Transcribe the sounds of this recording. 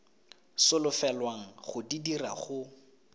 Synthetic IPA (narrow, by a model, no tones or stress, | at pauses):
sʊlʊfɛlwaŋ̩χʊdidira̰χʊ